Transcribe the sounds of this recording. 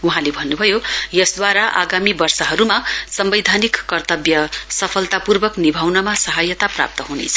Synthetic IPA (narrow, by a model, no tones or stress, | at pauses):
uɦãlebʱʌnːubʱʌjojʌsd̪waɾaʔa̰ɡamibʌrsʌɦʌɾumasʌmbʌjd̪ʱanikːʌrt̪ʌbjʌsʌpʰʌlt̪apurbʌknibʱawnʌmasʌɦajʌt̪apra̰p̚t̪ʌɦunḛt͡sʰʌ